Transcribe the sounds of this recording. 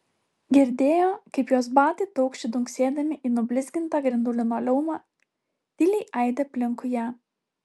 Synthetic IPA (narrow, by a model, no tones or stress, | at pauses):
ɡʲɪɾʲd̪ʲeːjoːkɐɪpjoːsbɑːt̪ʲiːt̪ɔʊkʃʲt͡ʃʲɪd̪ʊŋʲksʲeːd̪ɐmʲɪʔiːnʊbʲlʲɪzʲɡʲɪnt̪ɑɡɾʲɪnd̪ʊlʲɪnoːlʲɛʊmɑː | d̪̥ʲɪlʲɛɪʔɐɪd̪ʲɛpʲlʲɪŋkʊjæː